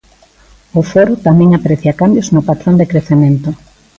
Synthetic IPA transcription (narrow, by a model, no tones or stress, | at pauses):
ʊfɔɾʊt̪amɛ̃ŋapɾeθjakambjoznʊpat̪ɾõnd̪ekɾeθemẽnt̪ʊ